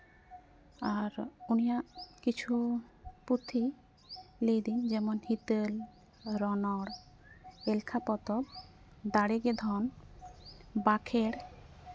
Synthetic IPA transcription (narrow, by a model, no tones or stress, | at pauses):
aɾunijaʔkit͡ʃʰuput̪ʰi | lejd̪ind͡ʒɛmɔnhit̪əl | ɾɔnɔɽ | elkʰapɔt̪ɔb̚ | d̪aɽeɡed̪ʱɔn | bakʰeɽ